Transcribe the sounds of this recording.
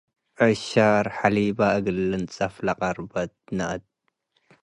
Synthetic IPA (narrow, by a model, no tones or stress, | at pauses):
ʕɨʃaɾħalibaʔɨɡɨlɨnt͡sʼɐflɐqʼɐɾbɐt̪̚nɐʔɐt̪̚